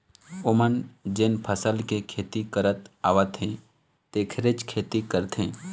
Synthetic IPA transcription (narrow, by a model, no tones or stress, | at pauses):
ʊmənd͡ʒɪnpʰəsəlkekʰeːt̪ikəɾət̪aːʋət̪ɦẽ | t̪eːkʰɾet͡ʃkʰeːt̪ikəɾt̪ɦẽː